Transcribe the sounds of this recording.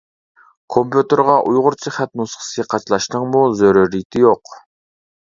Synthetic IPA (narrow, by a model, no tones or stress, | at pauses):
kʰompjut̪əɾʁɑʔujʁʊɾt͡ʃʰiχæt̪̚nusqʰə̥sɨqʰɑt͡ʃlˠɑʃnɨŋmuzøɾyɾit̪ʰɪjoq